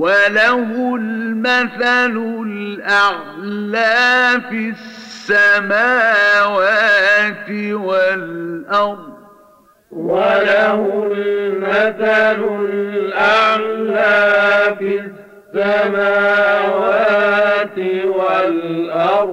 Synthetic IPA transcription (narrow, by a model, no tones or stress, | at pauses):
walaɦʊlmaθalʊlʔaʕlaːfisːamaːwaːt̪ɪwalʔɑɾd | walahʊlmaθalʊlʔaʕlaːfi | ssːamaːwat̪walʔɑɾˤ